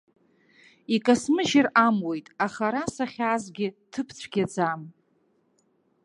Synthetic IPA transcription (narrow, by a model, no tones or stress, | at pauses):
ikʼasmɨʒɪramwe̞jtʼaχaɾasaχʲaːzɡʲɪtʰɨpʰt͡sʷʰɡʲad͡zam